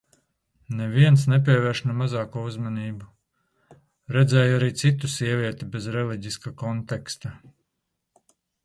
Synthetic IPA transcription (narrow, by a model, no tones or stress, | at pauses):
nɛviɛnsnɛp̬ʲiɛvɛːɾʃnɛmazɑːkuuzmaniːbu | ɾɛd̪zɛːjaɾiːt̪sit̪usʲiɛvʲiɛt̪ibezɾɛlˠiɟiskakɔnt̪ɛkst̪a